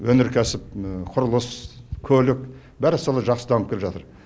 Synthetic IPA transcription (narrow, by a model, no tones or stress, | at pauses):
wɵnɪɾkʲʰæsɪp̚qʰʊɾəlˠəskʲʰɵlɪk | bæɾɪsolˠɑʒɑqsəd̪ɑnəp̚kʰʲeɪpʒɑt̪əɾ